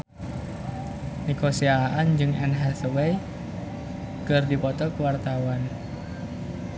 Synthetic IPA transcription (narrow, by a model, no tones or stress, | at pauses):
nikosiaʔand͡ʒɨŋɛ̰nɦɛsəwej | kɨrdipɔt̪ɔkəwart̪awan